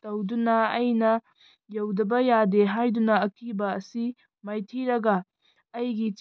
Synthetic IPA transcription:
tɐwdunɐɐjnɐ | jɐwdɐbɐjadeɦajdunɐːkibɐːsi | majtʰiɾɐɡɐː | jɡit͡ʃ

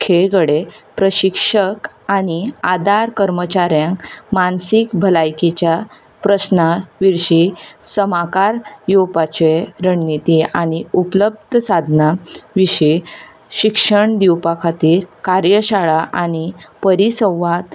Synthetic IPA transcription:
kʰeɭɡəɽepɾəɕikʂək | añiad̪aɾkəɾmət͡ɕaɾjãŋkmansikbʱəlajkit͡ɕja | pɾəsnaʋiɾɕisəmakaɾjowpat͡ɕeɾəɳnit̪iaɽ̃iupləb̚d̪ʱsad̪ʱnaʋiɕi | ɕikʂəɳd̪iwpakʰat̪iːɾkaɾjəɕaɭaʔañipəɾisə̃wʋat̪

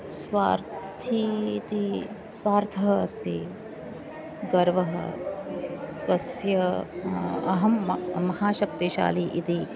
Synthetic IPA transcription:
sʋaːɾt̪ʰit̪i | sʋaːɾt̪ʰɐɦɐst̪i | ɡɐɾʋɐɦɐ̰ | sʋɐsjɐ | ɐɦɐmmɐhaːʃɐkt̪iʃa̰ːliʔit̪i

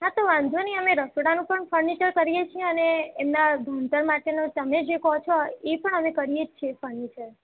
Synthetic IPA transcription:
ɦãt̪oʋãnd̪ʱʋəniəmeɾəsoɽanũpəɳfʰəɾnit͡ʃəɾkəɾijet͡ʃʰijeəneːmnad̪ʱunt̪əɾmaʈenot̪əmed͡ʒekɔt͡ʃʰɔepəɳəmekəɾijet͡ʃʰiefəɾnit͡ʃəɾ

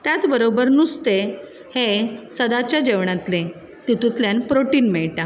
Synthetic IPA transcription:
t̪jat͡sbəɾobəɾnust̪e | hesəd̪at͡ɕjad͡ʑeʋɳat̪le | t̪it̪ut̪ljanpɾoʈiːnmɛɭʈa

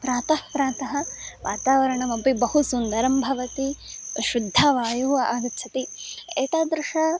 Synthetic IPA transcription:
pɾaːt̪ɐhpɾaːt̪ɐɦɐ̆ʋʔa̰ːt̪aːʋɐɾɐɳɐmɐmpibɐɦusund̪ɐɾɐmbʱɐʋɐt̪iʃud̪ʱːaːʋaːjuɦua̰ːɡ̪ɐt̪ːt͡ʃʰɐt̪iḛːt̪aːd̪ɾuʂɐ

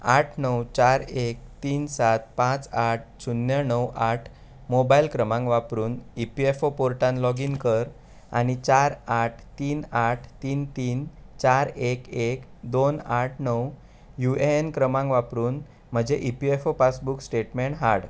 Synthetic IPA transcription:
aʈʰnəwt͡ɕaɾek̚t̪iːnsat̪̚pãt͡saʈ̚ʰsunːjənəwʔaʈʰ | mobailkɾəmãŋɡʋapɾuːnipiefopoɾʈãnlɔɡiːnkəɾ | a̰ñit͡ɕaɾaʈʰt̪iːnaʈʰt̪iːnt̪iːnt͡ɕaɾekekd̪onaʈʰnəw | jueenkɾəmãŋɡʋapɾuːn | m̤əd͡ʑeʔipiefopat͡sbuksʈeʈmeɳʈɦaɽ

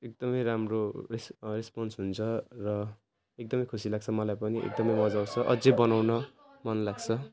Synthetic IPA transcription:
ek̚d̪ʌmʌjɾamroresresponsɦunt͡sʰʌrʌ | ek̚d̪ʌmʌjkʰusilaɡ̚t͡sʰʌmʌlajpʌniʔḛk̚d̪ʌmʌjmʌd͡zaw̃t͡sʰʌʔʌd͡zebʌnawnʌ | mʌnlaɡt͡sʰʌ

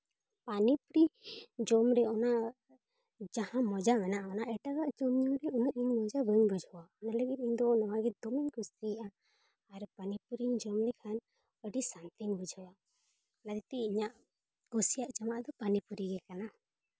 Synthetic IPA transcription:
panipuɾid͡ʒɔmɾɛɔna | d͡ʒahãmɔd͡ʒakanaʔaɔnaʔɛʈaɡaʔd͡ʒɔmɲɔmɾɛunuʔiɲmɔd͡ʒabəɲbud͡ʒʱɔwaɔnaləɡit̪̚iɲd̪ɔnɔwaɡɛd̪ɔmiɲkust̪iʔa | aɾpanipuɾiɲd͡ʒɔmɾɛkʰan | əɖisant̪iɲbud͡ʒʱawa | nad̪it̪ɛiɲaʔ | kɔsijaʔd͡ʒamaʔd̪ɔpanipuɾiɡɛkana

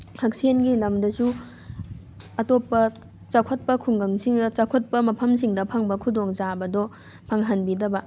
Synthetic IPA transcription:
hɐk̚senɡilɐmdɐsu | ɐtopːɐ | t͡ʃakʰɐt̚pɐkʰuŋɡɐŋsiŋdɐt͡ʃakʰot̚pɐmɐpʰɐmsiŋdɐpʰɐŋbɐkʰudoŋzabɐdɔ | pʰɐŋɦɐnbidɐbɐ

